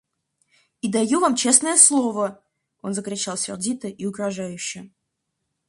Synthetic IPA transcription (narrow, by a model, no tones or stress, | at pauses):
id̪ajuvamt͡ɕesnəjəslˠovə | onzəkɾʲɪt͡ɕalˠsʲɪ̰rdʲit̪əʔiʊɡɾɐʐajʉɕːɪ